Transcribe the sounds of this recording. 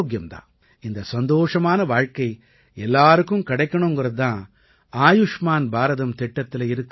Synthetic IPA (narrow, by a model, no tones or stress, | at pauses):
ɡjɐmt̪ã̰ː | ind̪ɐsɐnd̪oːʂɐmaːnɐʋaːɻkɐj | ɛlːaːɾɯkːumkɐɽɐjkːɐɳoːŋɡuɾɐd̪ãː | aːjuʂmaːnbʱaːɾɐt̪ɐmt̪ɛʈːɐt̪ːilɐiɾɯkː